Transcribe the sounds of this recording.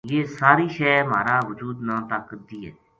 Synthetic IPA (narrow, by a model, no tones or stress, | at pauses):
jeːsaːɾiːʃɛːma̰ːɾaːʋʊd͡ʒuːd̪nãːt̪aːkːəd̪iːɦɛ̰ː